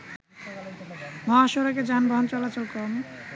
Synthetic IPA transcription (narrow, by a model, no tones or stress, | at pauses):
mɔaʃoɾaked͡ʑanbʱɔɦont͡ɕɔlat͡ɕolkɔm